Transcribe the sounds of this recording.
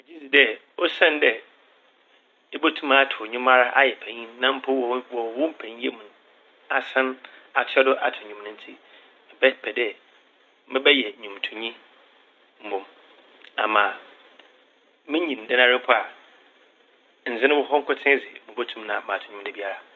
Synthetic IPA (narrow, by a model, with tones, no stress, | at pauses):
e˨d͡ʑi˦si˨dɛ˦ | o˦sã˦n˦dɛ˨ | ɪ˦bo˦tʰũ˦ma˦˨tʰʊ˨ɔ˨ɲᶣʊ̃˦ma˦ɾa˦ʔa˦jɛ˨pʰɛ̃˨ɲĩ˦nã˦m̩˦pʰʊ˦wwɔ˨wʊ̃˦m̩˦pʰɛ̃˨ɲ˦e˦mũ˨n˨ | a˨sã˦na˨tʰɔ˦dʊ˦ʔa˨tʰɪ˨ɲũ˨m˨nʊ̃˦n̩˦tʰi˦ | mɪ˨bɛ˦˨pʰɛ˨dɛ˦ | mɪ̃˦bɛ˦jɛ˨ɲũ˨mtʰu˨ɲĩ˦ | m̩˨bʊ̃˨m | a̰˨mã˨ | mɪ̃˦ɲĩ˨n̩˨dɛ˦nã˦˨ɾɪ˦pʰʊ˦a˨ | n̩˨d͡zɪ̃˦nɪ̃˦wʊ˦ɦɔ˦ŋ̩˦kʰʊ˦tʰɪ̃˦d͡zɪ̰˨mɪ̃˨bo˦tʰũ˦m˦nã˨mã˨tʰʊ̥̃˨ɲᶣũ˦m˦dɛ˨bi˦a˦ɾa˨